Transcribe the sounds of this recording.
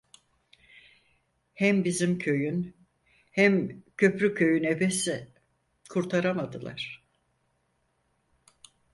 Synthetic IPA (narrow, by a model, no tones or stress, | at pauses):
hæmbizimcʰø̞jyn | hæmcʰø̞pɾycʰø̞jyne̞besi | kʰuɾt̪ʰaɾamad̪ɯlˠa̰ɾ̥